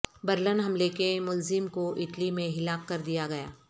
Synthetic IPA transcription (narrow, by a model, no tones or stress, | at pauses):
bɐɾlənɦɐmlekemʊlzɪmkoʔɪʈlimẽɦɪlaːkːɐɾd̪ijaɡɐja̰ː